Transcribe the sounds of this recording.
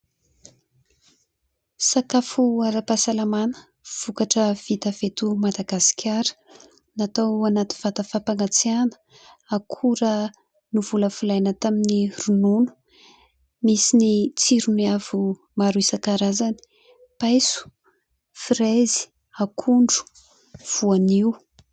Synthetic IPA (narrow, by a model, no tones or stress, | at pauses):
sakafuaɾapasalamanə̥ | v̥ukaʈ͡ʂəv̥it̪əv̥et̪umad̪aɡasi̥kʰʲaɾə̥ | nat̪awanat̪iv̥at̪əfapaŋat͡sianə̥ | akʰuɾə | nuvuləfulajnət̪aminirununu̥ | misinit͡siɾuniav̥u | maɾuisakaɾazani̥ | pajsu̥ | fiɾezi̥ | akʰuɳɖ͡ʐu̥ | v̥uaniu